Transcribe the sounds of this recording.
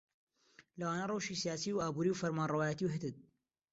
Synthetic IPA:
lɐwaːnɐrˤɑwʃisijaːsiwaːbuːɾiwfɐɾmaːnrɑwaːjət̪iwɦɪt̪ɨt̪̚

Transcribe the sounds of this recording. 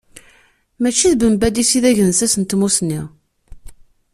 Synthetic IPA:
mæt͡ʃːiðbəmbæd̪isiðæʝənsæsənt̪musnːi

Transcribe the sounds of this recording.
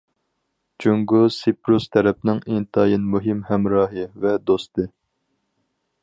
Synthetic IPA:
d͡ʒuŋɡusipɾust̪ʰɛɾɛp̚nɪŋint̪ʰɑːjinmuɦɪmhɛmɾɑːɦɨvɛd̪ost̪ɨ

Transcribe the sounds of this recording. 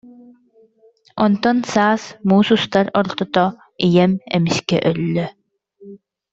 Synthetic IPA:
ɔnt̪ɔnsaːsmuːsust̪aɾɔɾt̪ɔt̪ɔ | ijɛmɛmiskɛ̰ʔœlːœ

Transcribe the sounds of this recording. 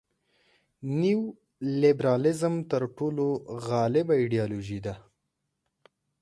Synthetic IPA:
niw | lɪbɾɑlɪzəmt̪əɾʈoloɣɑlɪbaiɖijɑloʒid̪a

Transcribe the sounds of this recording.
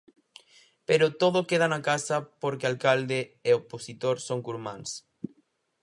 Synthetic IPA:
peɾot̪oðokeð̞anakasɐpoɾkealkald̪eːoposit̪oɾsoŋkuɾmãns

